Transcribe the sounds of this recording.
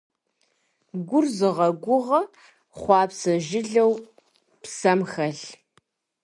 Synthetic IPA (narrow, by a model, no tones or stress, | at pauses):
ɡʷʊrzɨʁɐɡʷʊʁɐ | χʷɑːpsɐʒɪɮɐw | psɐmxɐɬ